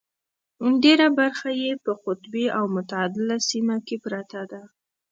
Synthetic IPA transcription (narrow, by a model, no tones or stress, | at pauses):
ndeɾabaɾxajepəqʊt̪beawmʊt̪aːd̪ɪlasimakepɾat̪ad̪a